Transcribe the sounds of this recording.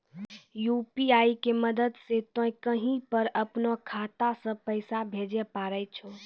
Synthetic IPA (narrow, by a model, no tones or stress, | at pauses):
jupiaikeməd̪əd̪set̪õĩkəɦĩpəɾəpnokʰat̪asə̃pəjsabʱed͡ʒɛpaːɾəjt͡ʃʰo